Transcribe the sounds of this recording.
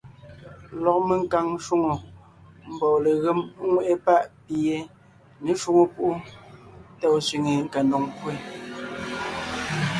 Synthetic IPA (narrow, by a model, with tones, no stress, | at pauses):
lɔ˨k̚me˨ŋ̩˦ka˨ŋʃo˦ŋo˨ | m̩˨bɔː˨le˨ɣe˦m˦ŋwe˦˨ʔe˦pa˦˨ʔpi˨e˨˦ | ne˨˦ʃo˦ŋo˨pu˦ʔu˦ | tɛ˦˨sɥi˨ŋe˨ŋ̩˨ka˨ndo˨ŋpwe˦˨